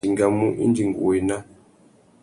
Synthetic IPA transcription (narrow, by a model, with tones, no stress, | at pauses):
i˨ŋɡa˦˨mu˦ʔḭ˦nd͡ʒi˨ŋɡṵ˨i˨na˦